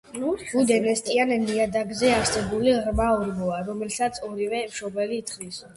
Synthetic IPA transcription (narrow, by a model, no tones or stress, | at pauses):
ɡ̥ud̪ɛnɛst̪ʼianniad̪aɡzɛaɾsɛbuliʁɾmaɔɾmɔaɾɔmɛlsat̪sʰɔɾivɛmʃɔbɛliːt̪ʰχd̪is